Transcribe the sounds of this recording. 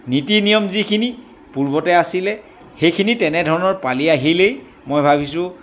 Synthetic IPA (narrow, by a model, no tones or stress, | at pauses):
nitinijɔmzikʰini | puɹbɔtɛasilɛ | xejkʰinitɛnɛdʱɔɹɔnɔɹpaliaɦilej | mojbʱabisʊ̃